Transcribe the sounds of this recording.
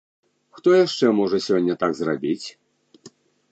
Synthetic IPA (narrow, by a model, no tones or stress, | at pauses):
xt̪ɔjaʂt͡ʂɛmɔʐɐsʲɔnʲːɐt̪aɡzrabʲit͡sʲ